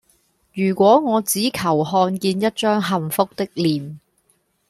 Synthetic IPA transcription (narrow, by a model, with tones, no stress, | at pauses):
jyː˨˩kʷwɔː˨˥ŋɔː˨˧t͡siː˨˥kʰɐ˨˩whɔː˧nkiː˧njɐ˥t̚t͡ʃœː˥ŋɦɐ˨mfʊ˥k̚t̪ɪ˥k̚liː˨˩m